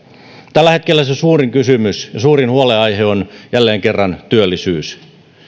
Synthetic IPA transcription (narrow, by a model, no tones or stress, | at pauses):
t̪ælːæhet̪kelːæsesuːriŋkysymysjɑsuːrinhuoleɑjheonjælːeːŋkerːɑnt̪yølːisyːs